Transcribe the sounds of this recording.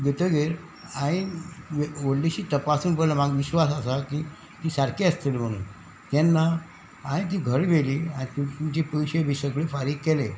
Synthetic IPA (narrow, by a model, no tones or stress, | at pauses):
ɡet̪əɡeɾ | aĩʋʋoɽliɕiːt̪əpasũːnpəlamaɡʋiɕʋasasakiː | t̪iːsaɾkʰeəst̪ilm̤əɽ̃ṵːn | t̪ɛnːa | ãĩt̪̬iːɡʱəɾʋeliːanit̪ũt̪ũt͡ɕepəʋiɕeʋisəkɭefaɾiːkkːele